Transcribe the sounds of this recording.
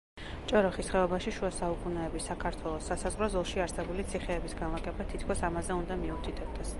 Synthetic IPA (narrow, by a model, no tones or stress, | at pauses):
t͡ʃʼɔɾɔχisχɛɔbaʃiʃuasaukʼunɛɛbisakʰaɾt̪ʰwɛlˠɔsːasazʁɾɔzɔlˠʃiaɾsɛbulit̪sʰiχɛːbisɡanlˠakʼɛbat̪ʰit̪ʰkʰɔsamazɛund̪amiut̪ʰit̪ʰɛb̚d̪ɛs